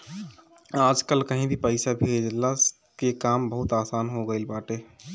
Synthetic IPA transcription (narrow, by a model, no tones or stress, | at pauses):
aːd͡ʒkəlkəɦĩbʱipəɪsabʱeːd͡ʒla | kekaːmbəɦʊt̪aːsaːnɦoɡəɪlbaːʈeː